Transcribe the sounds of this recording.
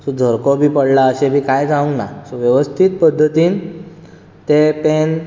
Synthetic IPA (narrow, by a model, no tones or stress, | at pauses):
sɔd͡zʱəɾkɔbʱiːpəɽlaəɕẽbiːkajd͡zãũŋɡnasɔʋjəʋəst̪ʰit̪̚pəd̪ʱːət̪iːn | t̪epen